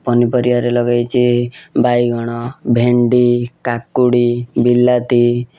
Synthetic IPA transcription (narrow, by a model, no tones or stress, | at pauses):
pɔnipɔɾiʋaɾelɔɡajt͡ʃʰibajɡʱɔɽ̃ɔbʱeɳɖikakːuɽibilːat̪i